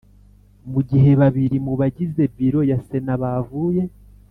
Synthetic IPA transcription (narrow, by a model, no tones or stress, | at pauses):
muɟiɦe̞βaβiɾimuβaɟize̞biɾo̞jase̞naβavuːje̞